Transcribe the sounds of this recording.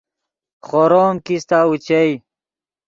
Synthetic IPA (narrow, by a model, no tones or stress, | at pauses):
χoɾoːmkist̪aːut͡ɕej